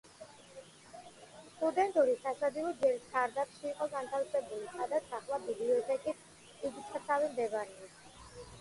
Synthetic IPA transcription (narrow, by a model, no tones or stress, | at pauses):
st̪ʼud̪ɛnt̪ʼuɾisasad̪ilˠɔd͡ʒɛlisʰaɾd̪apʰʃiːqʼɔɡant̪ʰafsɛbulisad̪at̪sʰaχlˠabibliɔt̪ʰɛkʼis | iɡit̪ʰasavimd̪ɛvaɾɛa